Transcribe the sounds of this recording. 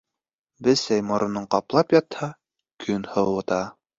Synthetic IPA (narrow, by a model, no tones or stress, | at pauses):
bɘsæjmŏɾŏnɤɴqɑplˠɑpjɑt̪hɑ | kʰɵnhɤwɤ̆t̪ɑ